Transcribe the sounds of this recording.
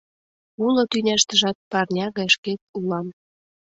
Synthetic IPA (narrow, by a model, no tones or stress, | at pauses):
ulot̪ynʲæʃt̪əʒɑt̪̚pɑrnʲɑɣɑjʃkek̪̚ulɑm